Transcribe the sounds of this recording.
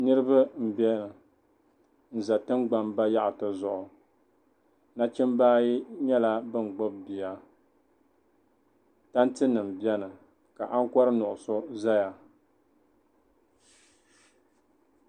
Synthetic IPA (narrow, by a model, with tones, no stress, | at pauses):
nɨ˦ɾɨ˦ba˦m̩˨bɛ˦nɨ˨ | n̩˨za˨tɨ˦mɡ͡ba˨mba˦ja˦ʔtɨ˨zʊ˨ʔʊ˨ | na˦t͡ʃɪ˦mbaː˦ji˦ɲɛ˦la˦bɨ˦ŋ˨ɡ͡bʊ˦bbi˨ja˦ | ta˦n˦tɨ˦nɨ˨m̩˨bi˦ɛ˦nɨ˨ | ka˨ʔa˦ŋ˦kʷɔ˦ɾɨ˦nʊ˨ʔʊ˨so˦za˦ja˨